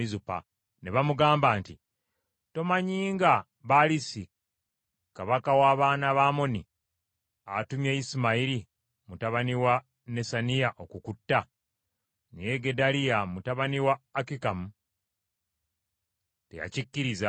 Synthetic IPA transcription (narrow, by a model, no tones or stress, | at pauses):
izupa̰ | ne̞βamuɡaːmbaːnti | to̞maɲiːŋɡa | βalisi | kaβakawaːβaːnaβaːmo̞nḭ | atumjeisimaiɾi | mutaβaniwa | ne̞sanijaʔo̞kukutːa | nḛjeɡe̞dalijamutaβaniwaːkikamu | teja̰cikːiɾiza